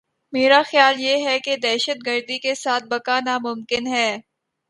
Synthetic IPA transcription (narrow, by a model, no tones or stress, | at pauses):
meːɾaxjaːljeːɦɛked̪ɛːʃət̪̚ɡəɾd̪ikesaːt̪̚ʰbɐkanamʊmkɪnɦɛː